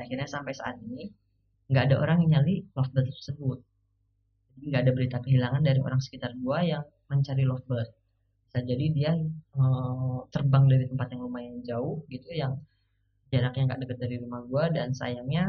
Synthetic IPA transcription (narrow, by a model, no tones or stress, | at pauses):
akirɲasampajsa̰ːt̪̚ini | ŋɡaʔːdaʔo̰ɾaŋiɲalilɔft̪̚bəlt̪ərsəbʊt̪̚ | d͡ʒadiiŋɡaːdabəɾit̪akəɦilaŋandaɾiʔo̰ɾaŋsə̥kit̪arɡuajaŋ | məɲt͡ʃaɾilɔft̚bət̚ | sad͡ʒadidiaət̪ərbaŋdaɾit̪əmpat̪jaŋlumahjaŋd͡ʒaʊhɡit̪ujaŋ | d͡ʒaɾak̚ɲaŋɡaʔdəkət̪̚daɾiɾumahɡuadansa̰jaŋɲa